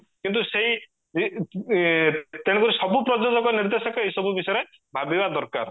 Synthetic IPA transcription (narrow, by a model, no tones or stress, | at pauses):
kint̪̬useɦi | i | t̪eɽ̃ekuɾisɔbupɾɔd͡ʒɔd͡ʒɔkɔniɾd̪esɔkɔejsɔbubisɔjɾe | bʱabibad̪ɔɾka̰ɾ